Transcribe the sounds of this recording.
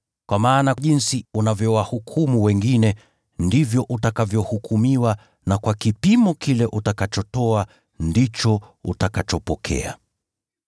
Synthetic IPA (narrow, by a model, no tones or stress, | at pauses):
kwamaːnaʄinsiunavjɔwahukʰumuwɛŋɡinɛ | ndivjɔʔutakavjɔhukʰumiwa | nakwakipimɔkilɛʔutakat͡ʃɔtɔa | ndit͡ʃɔṵtakat͡ʃɔpɔkʰɛ̰a̰